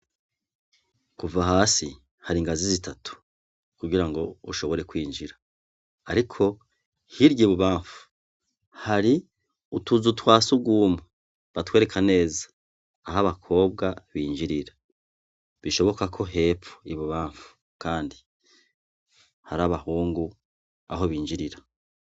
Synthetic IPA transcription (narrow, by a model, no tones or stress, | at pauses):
kuvaɦaːsi | haɾiŋɡazizitatʰu̥ | kuɡiɾaŋɡo̞uʃo̞βo̞ɾe̞kwiːɲd͡ʒiɾaː | ɾikʰo̞ | hiɾjiβuβaːɱfu̥ | haɾi | utuzutwaːsuɡuːmu | βatwe̞ːɾe̞kʰane̞ːzḁː | ɦaβakʰo̞ːbɡaβiːɲd͡ʒiɾiɾa | βiʃo̞βo̞kakʰo̞ɦe̞ːpo̥iβuβaːɱfu̥ | kaːndi | haɾaβahuːŋɡu | a̰ɦo̞βiːɲd͡ʒiɾiɾa